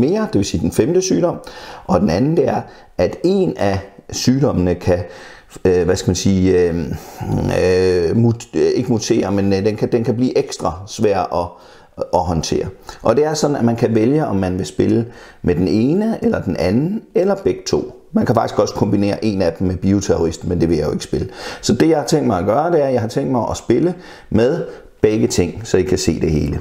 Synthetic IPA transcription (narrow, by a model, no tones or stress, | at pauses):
me̝ːɐd̥e̝ʋe̝siːd̥enfemd̥əsyːɾɒ̽m̰ʔɒ̽d̥enænn̩d̥e̝æɐ | æd̥e̝næsyːdɒ̽mənəkʰæ | ʋæsɡ̥æmænsiːø | mue̝ɡ̥əmut͡sʰe̝̰ːɐmend̥enkʰæd̥enkʰæb̥liːʔeɡ̥sd̥ʁɑsʋæɐ̰dɒ̽ | ʔɒ̽ɦɒ̽nt͡sʰe̝̰ːɐʔɒ̽d̥e̝æɐsɒ̽d̥n̩æmænkʰæʋeljəɒ̽mːænʋe̝sb̥e̝lə | med̥ene̝ːnəelɐd̥en̩ʔænn̩elɐb̥eɡ̥̚t͡sʰo̝̰ː | mænkʰæfɑ̈ɡ̥isɡ̥ɒ̽sə̥kʰɒ̽mb̥ine̝̰ːɐʔe̝næd̥m̩meb̥iot͡sʰeoʁisd̥mend̥e̝ʋe̝jɑ̈ɪjo̰e̝ɡ̥sb̥e̝ləsɒ̽d̥e̝jɑ̈ɪhɑ̈t͡sʰeŋ̰d̥̚mɑ̈ɪɒɡ̥ɶːɐd̥e̝æɐjɑɦɑ̈t͡sʰeŋ̰d̥̚mɑ̈ɪʔɒsb̥e̝lə | meðˠ | b̥eɡ̥ət͡sʰeŋ̰sɒ̽jikʰæse̝̰ːd̥e̝he̝ːlə